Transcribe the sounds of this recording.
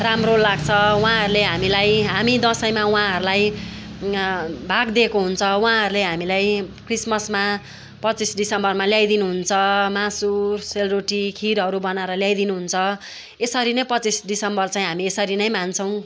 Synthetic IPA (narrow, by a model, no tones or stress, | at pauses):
ramrolːaɡt͡sʰʌwaãɦʌɾuleɦamilajɦamid̪ʌsʌjmawãɦʌɾulaj | bʱaɡd̪ekoɦunt͡sʰʌwãɦʌɾuleɦamilajkrismʌsma | pʌt͡sisɖisʌmbʌrmaljajd̪inuɦunt͡sʰʌmasurselroʈikʰiɾɦʌɾubʌnaɾʌljajd̪inuɦunt͡sʰʌ | esʌɾinʌjpʌt͡sisɖisʌmbʌrt͡sãĩɦamiesʌɾinʌjmant͡sʰʌw̃